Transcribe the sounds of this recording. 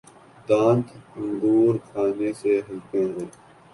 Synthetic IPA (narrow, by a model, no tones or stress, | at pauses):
d̪ãːnt̪ʊnd̪uːɾkʰaːneseɦɪlpẽɦẽː